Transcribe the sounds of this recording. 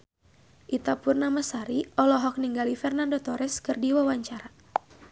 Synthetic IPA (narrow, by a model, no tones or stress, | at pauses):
ʔit̪apurnamasaɾiɔlɔɦɔk̚niŋɡalifɛrnandot̪ɔɾɛskɨrdiwawaɲt͡ʃaɾa